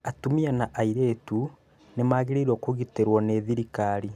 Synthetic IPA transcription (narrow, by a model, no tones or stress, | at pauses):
atumianaʔaiɾeːtu | nemaːɣeɾeiɾwɔkoɣiteɾwɔneðiɾikaɾi